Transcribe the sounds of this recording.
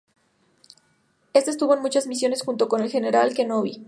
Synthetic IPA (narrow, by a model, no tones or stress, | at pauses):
est̪est̪uβo̞enmut͡ʃazmis̬jo̞ne̞sxunt̪o̞ko̞ne̞lxe̞ne̞ɾalke̞noβi